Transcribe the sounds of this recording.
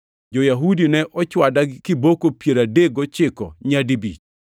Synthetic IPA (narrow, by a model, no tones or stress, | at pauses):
d͡ʒojaɦudinɛʔɔt͡ʃwadakɪbokopjeɾadeɡot͡ʃɪkɔ̰ɲadibḭt͡ʃ